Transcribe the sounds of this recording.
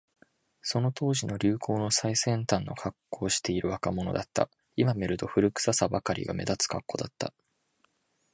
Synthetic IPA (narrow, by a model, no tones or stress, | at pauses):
so̞no̞t̪o̞ːʑino̞ɾʲɨːkʰo̞ːno̞saisẽ̞nt̪ãnːʔo̞̰kʰakːo̞ːɕi̥t̪e̞iɾɯ̟βakamo̞no̞̰d̪at̪ːa̰ | imame̞ɾɯ̟t̪o̞ɸɯ̟ɾɯ̟kɯ̥sasabakaɾʲḭɡa̰me̞̰d̪at͡sɨ̥kakːo̞d̪at̪ːa̰